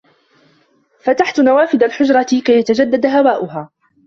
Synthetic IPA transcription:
fat̪aħt̪nawaːfɪd̪alħʊd͡ʒɾˤɑkajat̪ad͡ʒad̪ːad̪hawaːʔʊɦaː

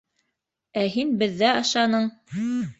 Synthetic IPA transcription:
æɦinbɘ̆ðːæɑʃɑnɤɴ

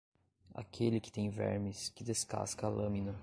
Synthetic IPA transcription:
a̰kʰelɪkɪ̥t̪ẽj̃vɛɾmɪskɪd̪eska̰skɐalɐ̃minɐ

